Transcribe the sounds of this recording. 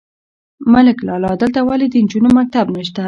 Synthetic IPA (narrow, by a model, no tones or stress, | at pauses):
məlɪklɑlɑd̪əlt̪awaled̪ənd͡ʒunomak̚t̪abnaʃt̪a